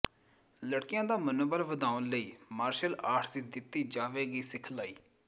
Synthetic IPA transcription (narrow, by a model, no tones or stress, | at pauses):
ləɽkɪjãːd̪aːmənoːbəɾʋəd̪ãːʊnləiːmaːɾʃəlaːʈʰd̪iːd̪ɪt̪ːiːd͡ʒaːʋeːɡiːsɪkʰlaːiː